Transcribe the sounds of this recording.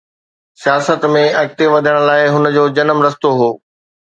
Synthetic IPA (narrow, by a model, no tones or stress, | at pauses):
sijaːsət̪mẽɐɡ̚t̪eʋɐd̪ʱəɽ̃̆laːɪɦʊnəd͡ʑoːd͡ʑɐnəmɾɐst̪oɦoː